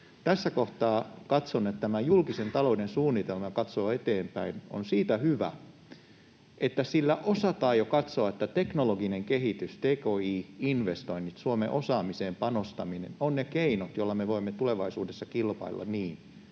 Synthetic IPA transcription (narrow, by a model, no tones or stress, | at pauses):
t̪æsːækoht̪ɑːkɑt̪sonːet̪t̪æmæjulkisent̪ɑloudensuːnːit̪elmɑjkɑt̪soːet̪eːmpæino̰nsiːt̪æhyʋæ̰ | ʔet̪ːæsilːæʔosɑt̪ɑːjokɑt̪soɑet̪ːæt̪eknoloɡineŋkehit̪yst̪eːkoːiːinʋest̪oinːit̪suomḛʔosɑːmiseːmpɑnost̪ɑminḛnonnekeinot̪jolːɑmeʋoimːet̪uleʋɑisṵːdesːɑkilpɑ̰ilːʔɑ̰niːn